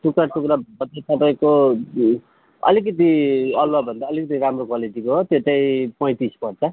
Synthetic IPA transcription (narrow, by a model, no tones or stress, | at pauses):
ʈukaʈukɾabʌt̪at̪ʌpaĩko | ʌ̰lik̬ʌt̪̬iʌlwabʱʌnd̪aːlikʌt̪iɾamrokwaliʈikoɦot̪et̪ʌjpʌj̃t̪ispʌɽt͡sʰʌ